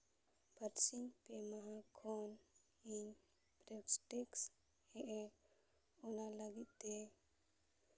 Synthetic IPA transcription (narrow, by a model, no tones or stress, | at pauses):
bʱəɾt͡ʃinpeməɦakʰon | in | pɾebsʈeks | eʔ | onaləɡit̪e